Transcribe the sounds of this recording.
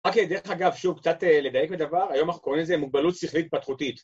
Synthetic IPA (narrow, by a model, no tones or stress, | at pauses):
ʁaked̪eʁeχaɡavʃuvkt͡satele̞d̪aje̞kbed̪avaʁajomanaχnuko̞ʁimlezemuɡ̚balut̪siχlit̚pat̪χutit̪